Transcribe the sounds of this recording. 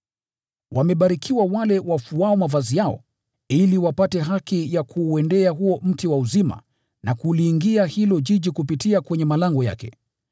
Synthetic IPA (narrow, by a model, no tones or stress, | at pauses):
wamɛɓaɾikʰiwawalɛwafuaɔmavazijaɔ̰ | iliwapatɛɦakijakʰuːɛndɛaɦuɔm̩tiwauzima̰ | nakuliːŋɡiahilɔʄiʄikupitiakwɛɲɛmalaŋɡɔja̰kɛ